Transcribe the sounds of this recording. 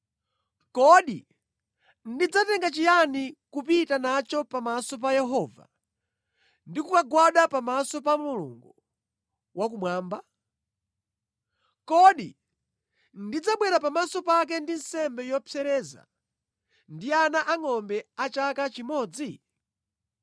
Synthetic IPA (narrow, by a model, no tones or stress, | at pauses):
kɔɗi | ndid͡zatɛŋɡat͡ʃijanikupitanat͡ʃɔpamasɔp̬ajɛɦɔːva̰ | ndikukaɡwaɗapamasɔpamulṵŋɡu | wak̬umwaːmba | kɔɗḭ | ndid͡zaɓwɛɾapamasɔpak̬ɛndin̩sɛmbɛjɔpʰjɛɾɛːza̰ | ndianaʔaŋɔmbɛat͡ʃakat͡ʃimɔːd͡zi